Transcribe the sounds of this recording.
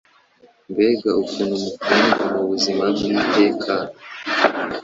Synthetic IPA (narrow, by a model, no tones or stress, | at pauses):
mbeːɡaukunumukuːndumuβuzimabɡibɟekʰan